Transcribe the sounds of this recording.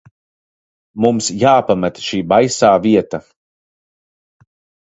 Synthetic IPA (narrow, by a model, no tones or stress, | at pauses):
mumsjaːpamɛt̪ʃiːbajsaːviɛt̪a